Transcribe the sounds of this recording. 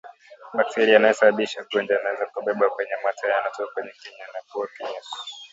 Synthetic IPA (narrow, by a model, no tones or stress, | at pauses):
ɓak̚tiɾianahɛsaɓaɓiʃakuɛnd͡ʒaanawɛzakuɓɛɓakwɛɲɛmatʰajanatɔkwɛɲɛkɛɲanakuwakɛɲɛsɔ̥